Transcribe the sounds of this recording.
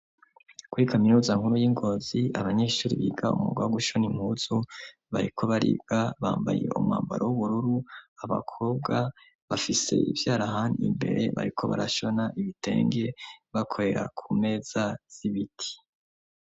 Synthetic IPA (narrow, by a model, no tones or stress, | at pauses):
kuɾikaminuːzaŋhuɾujiŋɡo̞ːziaβaɲe̞ːʃuːɾiβiːɡaṵmṵɡawɡuʃonimhuːz̥u | βa̰ɾikʰo̞βaɾḭːb̚ɡ̥aβaːmbajḛumŋa̰ːmba̰ɾowuβuɾuɾuaβa̰kʰo̞ːbɡa | βafise̞̰ivjaːɾaɦaniḭmbe̞̰ɾe̞̰βa̰ɾikʰo̞̰βa̰ɾaʃo̞naʔiβite̞̰ːŋɡe̞βakʰo̞ɾe̞ɾa̰kʰume̞ːz̥az̥iβitʰi̥